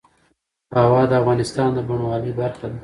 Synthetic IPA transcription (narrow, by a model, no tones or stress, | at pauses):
awɑd̪əafɣɑnɪst̪ɑnd̪əbaɳwɑlibaɾxad̪a